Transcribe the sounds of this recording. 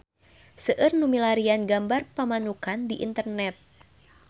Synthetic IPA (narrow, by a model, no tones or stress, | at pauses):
səʔɨrnumilaɾianɡambarpəmanukandiʔḭnt̪ərnɛt̪̚